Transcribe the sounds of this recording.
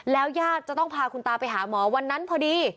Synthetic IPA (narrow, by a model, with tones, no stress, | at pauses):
lɛː˦˥wjaː˥˩t̪̚t͡ɕa˨t̪ɔ˥˩ŋpʰaː˧kʰu˧nt̪aː˧pa˧jɦaː˩˦mɔː˩˦wa˧nːa˦˥npʰɔː˧diː˧